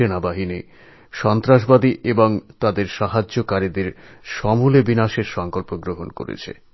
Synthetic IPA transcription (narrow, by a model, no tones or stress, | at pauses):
enabaɦini | ʃɔnt̪ɾaʃ̬bad̪iʔeboŋt̪ad̪eɾʃaɦad͡ʑːokaɾid̪eɾʃɔmulebinaʃeɾʃɔŋkolpoɡɾoɦonko̰ɾḛt͡ɕʰḛ